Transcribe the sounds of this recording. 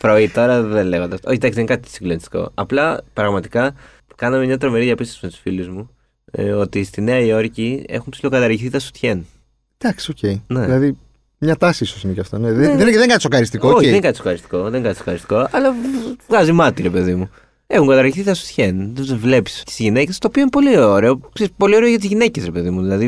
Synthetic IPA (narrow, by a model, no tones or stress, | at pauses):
fɾoit̪o̞ɾɐðenle̞ɣond̪ɐsoçid̪ɐksiðenkɐt̪it̪i̥siɡlonist̪iko̞̰ɐplɐpɾɐɣmɐt̪ikɐ | kɐnɐmemɲɐt̪ɾo̞meɾiðiɐpist̪osimet̪u̥sfiluzmu | o̞t̪ist̪ineɐio̞ɾcie̞̰xumpsilo̞kɐt̪ɐɾʝiθit̪ɐsu̥t̪çen | d̪̥ɐksioceinelɐði | mɲɐt̪ɐsiisosineceɐft̪oneðeeðeŋɡɐt̪isoxɐɾist̪iooçðeŋɡɐt̪iso̞xɐɾist̪i̥ko̞ðeŋɡɐt̪soxɐɾist̪i̥ko̞ɐlɐvɣɐzimɐt̪iɾe̞pe̞ðimu | e̞xuŋɡɐt̪ɐɾʝiθit̪ɐsu̥t̪çenvle̞pi̥st̪i̥zʝine̞ce̞st̪oːpio̞inepo̞lioɾeoksespo̞lio̞ɾe̞oʝɐt̪izʝine̞cesɾepe̞ðimuðilɐði